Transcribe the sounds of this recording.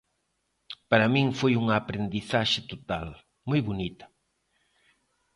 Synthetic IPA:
paɾamĩŋfojuŋɐːpɾend̪iθaʃɪt̪ot̪al | mojβonit̪ɐ̥

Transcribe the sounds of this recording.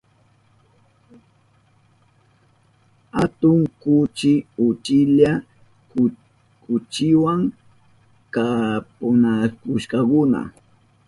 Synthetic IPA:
hat̪ʊŋkʊt͡ʃɪʊt͡ʃɪʎa | kʊt͡ʃɪwaŋ | kapʊnakʊʃkɑkʊna̰

